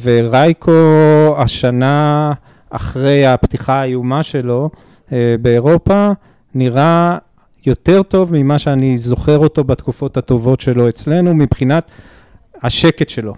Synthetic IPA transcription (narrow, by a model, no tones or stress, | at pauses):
veʁajkʰo̞aʃana | aχʁe̞japtiχaajumaʃe̞lo̞ | beːʁo̞pa | niʁa | jo̞t̪e̞ʁto̞vmimaʃeanizo̞χe̞ʁo̞to̞bat̪kufo̞that̪o̞vo̞tʃe̞lo̞et͡sle̞numipχinat̪ | haʃe̞ketʃe̞lo̞